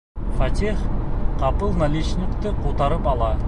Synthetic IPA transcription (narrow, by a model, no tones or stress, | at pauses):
fat̪ʲiχqʰɑpəlˠnalʲit͡ʃnʲɪkt̪ɪqʰot̪ɑɾəpɑlˠɑ